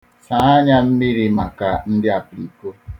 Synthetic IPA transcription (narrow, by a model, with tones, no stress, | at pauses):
sa˨a˦ɲa˦m̩˦mi˦ɾi˨ma˨ka˨n̩˦dɪ˦a˨pɾi˨ko˦